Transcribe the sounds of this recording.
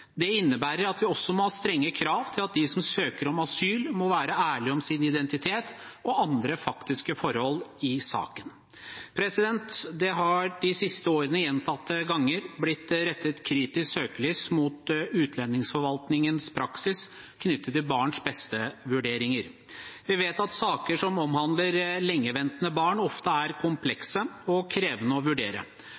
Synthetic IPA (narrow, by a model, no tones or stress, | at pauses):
d̪ɛɪnːəbæːɾəɾɑt̪ʋɪɔsːɔmɔhɑːst̪ɾɛŋːəkʰɾɑːʋt̪ʰɪlɑt̪̚d̪ɪsɔmsøːkəɾɔmɑsyːlmɔʋæːɾəæːɭɪɔmsɪnɪd̪ɛnt̪ɪt̪ʰeːt̪ɔʔɑnd̪ɾəfɑkt̪ɪskəfɔɾhɔlːɪsɑ̰ːkən | pʰɾɛsɪd̪ɛnt̪d̪ɛɦɑɖɪsɪst̪əoːɾənəjɛnt̪ʰɑt̪ːəɡɑŋːəɾblɪt̪ːɾɛt̪ːət̪kʰɾiːt̪ɪssøːkəlyːsmuːt̪ʉːt̪ʰlɛnːɪŋsfɔɾʋɑlt̪nɪŋənspʰɾɑksɪs | kʰnʏt̪ːət̪ʰːɪlbɑːɳʂbɛst̪əʋʉɖeːɾɪŋəɾ | ʋɪʋeːt̪ɑt̪sɑːkəʂɔmɔmhɑnd̪ləɾlɛŋːəʋɛnt̪ənəbɑːɳɔft̪əæɾkʰʊmpʰlɛksəɔkʰɾeːʋənəɔʋʉɖeːɾə̰